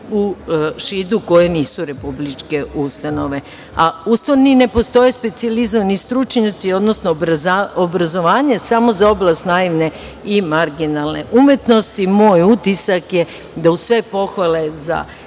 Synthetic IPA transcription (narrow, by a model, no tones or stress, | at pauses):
uʃid̪uko̞jeniːsuɾe̞publit͡ʃke̞ʔust̪ano̞ʋe̞ | aust̪anine̞po̞st̪o̞jespe̞t̪sializoanist̪ɾut͡ʃɲat̪sio̞d̪nosnoaobɾazo̞ʋaːɲesamo̞zao̞blˠast̪naiʋne̞ | imaɾɡinalˠne̞̰ʔumje̞t̪no̞st̪imo̞ːjut̪isakje | d̪ausʋe̞po̞xʋale̞za̰